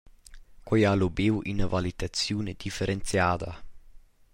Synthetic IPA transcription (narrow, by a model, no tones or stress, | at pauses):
kojalobewʔinavalit̪asjuːned̪̥ifeɾent̪sjaːd̪a